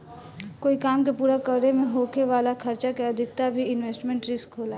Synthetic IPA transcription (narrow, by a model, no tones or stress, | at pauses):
koːikaːmkepuːɾakəɾɾemẽɦokeʋaːlakʰəɾt͡ʃakeəd̪ʱɪk̚t̪abʱiɪnʋeːsʈmẽɳʈɾɪskɦola